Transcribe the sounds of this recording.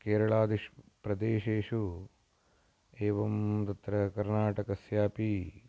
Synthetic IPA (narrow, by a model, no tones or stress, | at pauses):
keːɾɐɭaːd̪iʂpɾɐd̪eːʃeːʂu | eːʋɐmt̪ɐt̪ɾɐkɐɾnaːʈɐkɐsjaːpi